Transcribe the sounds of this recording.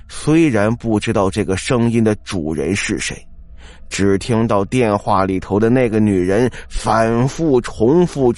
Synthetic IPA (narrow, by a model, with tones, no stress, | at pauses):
swe˥ɪɻa˧˥npu˥˩ʈ͡ʂɻ̩˥t̪ɑ˥˧ʊʈ͡ʂɤ˥˩ɡə˩ʂɤ˥ŋi˥nd̪ə˨ʈ͡ʂu˨˩ɻə̰˧˥nʂɻ̩˥˩ʂe˧˥ɪ | ʈ͡ʂɻ̩˨˩t̪ʰi˥ŋt̪ɑ˥˧ʊt̪jɛ˥˧nxwa˥˩li˨˩t̪ʰo˧˥ʊd̪ə˧ne˥˩ɪɡə˩ny˨˩ɻə˧˥nfa˨˩nfu˥˩ʈ͡ʂʰʊ˧˥ŋfu˥˩